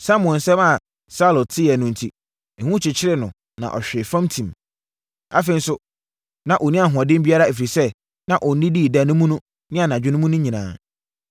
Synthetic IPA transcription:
sã˦mʊ̃˨ɛ̃˨n˨sɛ˦ma˨ | sa˦lɔ˨tʰɪ˦jɛ˨nʊ̃˨n˨tʰi˨ | hũ˦t͡ɕʰɪ˨t͡ɕʰɪ˦ɾɪ˦nʊ̃˨ | nã̰˨ʔɔ̰˨ɕᶣɪ˨fã˦mtʰĩ˨m | a˨fẽ˨˦n˦sʊ˦ | nã˨ʔɔ˨nĩ˦a˨ɦʊ̃˨ɔ˨dɪ̃˦bi˦a˦ɾa˦e˨fi˨sɛ˦ | nã˨ʔɔ˨n˨˦nɪ̃˦di˦˨da˨nʊ̃˦mũ˦nʊ̃˦ | nɪ̃˦a˨nã˨d͡ʑᶣɪ˦nʊ̃˦mũ˦nʊ̃˦ɲĩ˨nãː˨

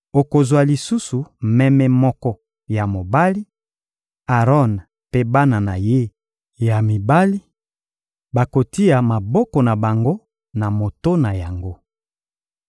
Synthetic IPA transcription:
o˨ko˨zwa˨li˨su˦su˨mɛ˦mɛ˨mɔ˦kɔ˦ | ja˨mo˨ba˦li˦ | a˨ʁɔ˦n | pe˦ba˦na˨na˨je˦ | ja˨mi˨ba˦li˦ | ba˨ko˨ti˦a˨ma˨bɔ˦kɔ˨na˨ba˨ŋɡo˦ | na˨mo˨to˦na˨ja˨ŋɡo˦

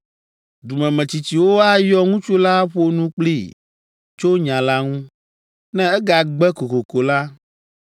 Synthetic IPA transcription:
du˨mɛ̃˨mɛ̃˨t͡ɕi˨t͡ɕi˨wo˦a˦jɔ˦ŋũ˦t͡ʃo˦la˦ɸo˦nũ˦k͡pli˦˨ | t͡ʃo˦ɲã˨la˦ŋũ˦ | nɛ̃˦ɛ˦ɡa˨ɡ͡bɛ˦ko˨ko˨ko˨la˦

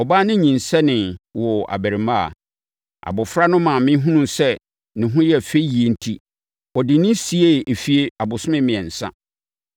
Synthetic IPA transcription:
ɔ˨baː˦nɪ̃˦ɲĩ˨nsɛ˦nɪ̃˨wɔ˨a̰˨bæ˨ɾi˨mã˦a̰˨ | ʔa̰˨bʊ˨fɾa˦nʊ̃˦mã˨mɪ̃˦ɦũ˦nũ˦sɛ˦ | nɪ̃˨ɦũ˦jɛ˦˨fe˦i˦ji˨e˦n̩˦tʰi˦ | ɔ˨dɪ˨nɪ̃˦si˨e˦˨ʔe˨fi˨e˦a˨bʊ˨sʊ˦mɪ̃˦mɪ̃˨ɛ̃˨n̩˨sã̰˦

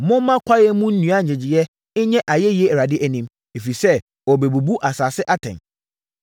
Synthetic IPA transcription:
mʊ̃˦mã˦kʷʰa˦jɛ˦mũ˦n̩˦nũ˨˦a˦˨ɪ̃˨d͡ʑɪ˨jɛ˦ | ɪ˦ɲɛ̃˦ʔa˨jɛ˦jɛ˦ɛ˨ɾa˨dɪ˦ʔæ˨nĩ˦m | e˨fi˨sɛ˦ | ɔ˨be˨bu˨bu˦ʔa˨saː˨sɪ˦ʔa˦tʰɛ̰̃˨n

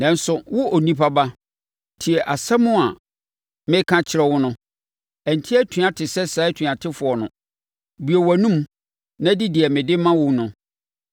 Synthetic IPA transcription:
nã˨n̩˦sʊ˨wʊ˦ʔo˨nĩ˦pʰa˦ba˦ | tʰi˨ɛ˨ʔa˨sɛ˦mʊ̃˦a˨ | mɪ̃˦kʰã˦t͡ɕʰɪ˨ɾɛ˦wʊ˦nʊ̃˦ | ɛ˨n˨tʰi˦ɛ˦tʰu˨ã˨tʰɪ˨sɛ˦sɛ˨˦tʰĩ˨a˨tʰɪ˦fʊ˨ɔ˨nʊ̃˨ | bi˨o˨wæ˨nũ˦m | nã˦dɪ˦dɪ˨ɛ˨mɪ̃˨dɪ˦mã˦wʊ̃˦nʊ̃˨

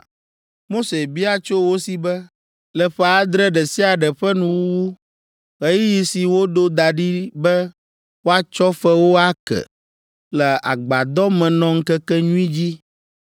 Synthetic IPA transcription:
mo˦se˨bi˦a˦t͡ʃo˦wo˦si˨bɛ˦ | lɛ˨ɸɛ˦a˦d̪ɾɛ˦ɖɛ˨si˦a˨ɖɛ˨ɸɛ˦nũ˦wu˦wu˦ | ɣe˦ji˦ji˨si˨wo˦d̪o˦d̪a˨ɖi˦bɛ˦ | wo˦a˦t͡ʃɔ˦fɛ˦wo˦a˦kɛ̰˨ | lɛ˨a̰˨ɡ͡ba˨d̪ɔ˦mɛ̃˨nɔ̃˦ŋ̩˦kɛ˦kɛ˦ɲũ˦i˦d͡ʑi˦

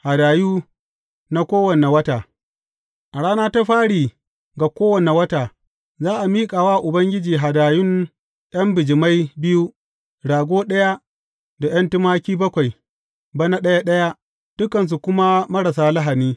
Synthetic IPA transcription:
ha˨daː˨juː˦ | na˦kʷoː˦wɐ˨ne˨wɐ˦taː˨ | ʔa˨ɽaː˦naː˦ta˦ɸaː˦ɽiː˨ | ɡa˨kʷoː˦wɐ˨ne˨wɐ˦taː˨ | zaː˦ʔa˨miː˦kʼaː˨waː˦ʔʊ˨bɐ˦ŋɡʲɪ˦d͡ʒiː˨ɦa˨daː˨jʊ˦n | j̰ɐ˦mbɪ˨d͡ʒɪ˨ma˦jbɪ˦ju˦ | ɽaː˨ɡʷoː˦ɗɐ˦ja˦ | da˨j̰ɐ˦ntɪ˦maː˦kʲiː˦bɐ˦kʷa˨j | ba˦na˦ɗɐ˦ja˦ɗɐ˦ja˦ | d̥ʊ˦kɐ˨ns̬u˨kʷʊ˦ma˦mɐ˦ɽɐ˨saː˦la˦ɦa˨niː˦

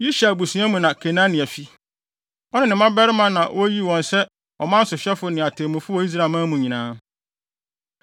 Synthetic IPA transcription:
ji˦ʃa˨bu˨sũ˨˦ã˦mũ˨nã˨kʰe˨nã˦nɪ̃˨æ˨fi˦ | ɔ˦nɪ̃˨nɪ̃˨mã˦bɛ˦ɾɪ˦mã˦nã˨wʔɔ˦ji˦wɔ̃˨nsɛ˦ | ɔ˨mã˦n̩˦sʊ˨ɕᶣɛ˦fʊ˨˦nɪ̃˨a˨tʰe˨mũ˨fʊ˦ɔ˦i˦s̬ɾa˨mã˦mũ˨ɲĩ˨nãː˦

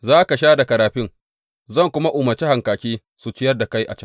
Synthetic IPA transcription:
zaː˦ka˨ʃaː˦da˨kɐ˨ɾaː˨ɸɪ˦ŋ | zɐ˦˨ŋkʷʊ˦ma˦ʔʊː˨mɐ˨t͡ʃi˦ha˨ŋkaː˨kʲiː˦ | su˨t͡ʃɪ˦jɐ˦rda˨ka˦jʔa̰˨t͡ʃɐ˦ŋ

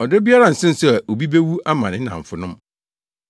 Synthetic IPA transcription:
ɔ˨dɪ˦bi˦a˦ɾa˨n̩˨sɪ̃˦n̩˦sʊ˦a˨ʔo˨bi˦be˦wu˦ʔa˦mã̰˨nɪ̃˦nã̰˨ɱ̩˨fʊ˨nʊ̃˦m

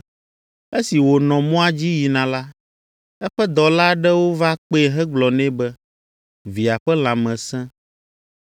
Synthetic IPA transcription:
e˦si˨wo˨nɔ̃˨mɔ̃˦a˦d͡ʑi˦ji˨nã˨la˦ | ɛ˦ɸɛ˦d̪ɔ˨la˦ɖɛ˦wo˦va˦k͡pe˦e˨ɦɛ˦ɡ͡blɔ˨nɛ̃˦bɛ˦ | vi˨a˨ɸɛ˦l̃ã˨mɛ̃˨sɛ̃˦

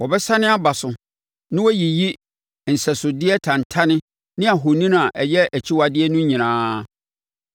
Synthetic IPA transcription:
wɔ˨bɛ˦sa˦nɪ̃˦a˦ba˨sʊ˨ | nɪ̃˦wɔ˦ji˨ji˦ | n̩˨sɛ˨sʊ˨dɪ˦ɛ˦tʰã˨n˨tʰa˦nɪ̃˦ | nɪ̃˦a˨ɦo˨nĩ˦n˦a˨ʔɛ˨jɛ˦ʔæ˨t͡ɕʰi˦wa˨dɪ˦ɛ˦nʊ̃˦ɲĩ˨nãː˦

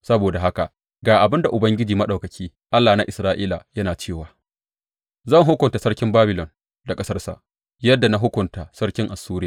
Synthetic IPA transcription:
sɐ˦boː˨da˨ɦa˦ka˨ | ɡaː˨ʔa˨bɪ˦nda˨ʔʊ˨bɐ˦ŋɡʲɪ˦d͡ʒiː˨mɐ˦ɗa˨wkɐ˨kʲiː˦ | ʔa˦lːaː˨na˦ʔɪ˨sɾaː˦ʔiː˦la˨jɐ˦naː˨t͡ʃeː˦˨waː˨ | zɐ˦˨ŋɦʊ˦kʷʊ˨nta˨sɐ˦rkʲɪ˦mbaː˦bɪ˨lɔ˨n | da˨kʼɐ˦sɐ˦rsa̰˨ʔ | jɐ˦dːa˨na˦ɦʊ˦kʷʊ˨nta˨sɐ˦rkʲɪ˦ŋʔa˨suː˦ɾɪ˦aː˨

